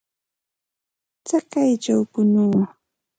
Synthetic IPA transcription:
t͡sakajt͡ʃawpʊnʊwa

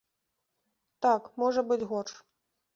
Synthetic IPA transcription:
t̪akmɔʐɐbɨt͡sʲɣɔrʂ

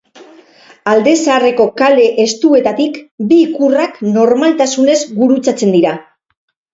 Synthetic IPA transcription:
ald̪e̞saaːre̞ko̞kale̞ʔest̪ue̞t̪at̪ikbiːkurakno̞ɾmalt̪asune̞zɡuɾut͡sat͡se̞nd̪iɾa

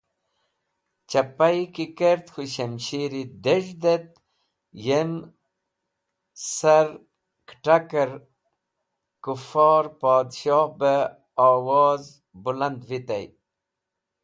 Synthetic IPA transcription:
t͡ɕapajkikeɾt̪xuɕemɕiɾid̪eʐd̪et̪̚ | jem | saɾ | kʈakəɾ | kufɑːɾpɑːd̪ɕɑːhbə | ɑːwɑːz | buland̪vit̪aj

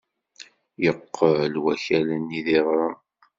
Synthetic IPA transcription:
jəqːəlwæçælənːiðiðɾˤɑ

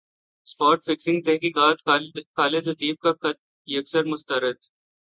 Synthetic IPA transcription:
spɔːɾʈfɪksɪ̃ŋɡ̚t̪ɛɦkiːkaːt̪kaːlet̪ɐt̪iːb̚ka | jɐksəɾmʊst̪əɾɪd̪

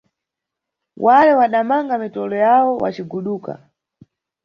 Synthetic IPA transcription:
wʔalɛwaɗamaŋɡamitɔlɔjawɔwʔa̰t͡ʃiɡuɗuːka̰

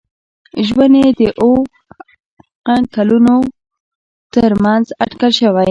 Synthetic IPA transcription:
ʒwaned̪əʔo | qakaluno | t̪əɾmanzaʈkəlʃəwaj

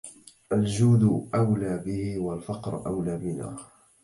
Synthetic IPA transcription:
ʔald͡ʒuːd̪ʊʔawlaːbɪhɪwalfɑqɾʔawlaːmɪna̰ː

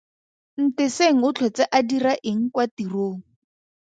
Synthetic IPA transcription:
n̩tɪseŋ̩ʊt͡ɬʰwɛt͡saʔadiraʔeŋ̩kwatiroːŋ̩

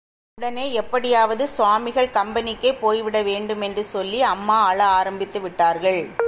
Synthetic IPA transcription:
ʊɽɐneːɛpːɐɽɪjaːʋɐðɯsʋaːmɪɣɐɭkɐmbɐnɪkːeːpoːjʋɪɽɐʋeːɳɖɯmɛndrɯsɔlːiɐmːaːaɭɐaːɾɐmbɪt̪ːɯʋɪʈːaːɾɣɐɭ

